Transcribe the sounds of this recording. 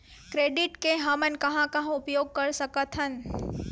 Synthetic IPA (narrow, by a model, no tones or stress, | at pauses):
kɾeːɖɪʈkeɦamənkɐɦãkaɦʊpjoːɡ̚kəɾsəkət̪ʰɦən